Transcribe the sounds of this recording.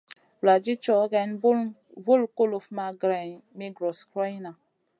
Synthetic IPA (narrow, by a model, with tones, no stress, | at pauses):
la˨d͡ʒi˦t͡ʃɔ˨˦ɡɛ˨˦nbvo˦lko˦lo˨fma˦ɡɾe˨mi˦ɡɾɔ˨skɾɔ˦jna˨